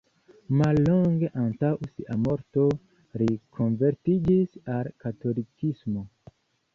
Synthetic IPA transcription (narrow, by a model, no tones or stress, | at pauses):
malːoŋɡeʔantawsiʔamoɾto̞ | ɾikʰonveɾtid͡ʒisalkato̞likismo